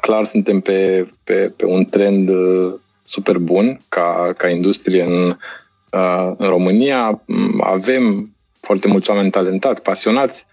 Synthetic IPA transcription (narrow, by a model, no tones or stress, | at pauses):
klarsɨnt̪e̞mpe̞pepe̞̰unt̪ɾe̞nd̪ | supe̞rbunkakaind̪ust̪ɾijeɨn | ɨnɾo̞mɨnijaa̰ve̞m | foart̪e̞mult̪swame̞nʲt̪ale̞nt̪at̪sʲpasio̞nat̪sʲ